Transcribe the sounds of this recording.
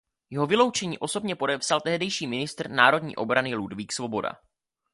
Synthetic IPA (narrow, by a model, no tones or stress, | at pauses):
jɛɦo̞vɪlo̞wt͡ʃɛɲiːʔo̞so̞bɲɛpo̞dɛpsalt̪ɛɦdɛjʃiːmɪnɪst̪rnaːɾo̞dɲḭːʔo̞bɾanɪludviːksvo̞bo̞da̰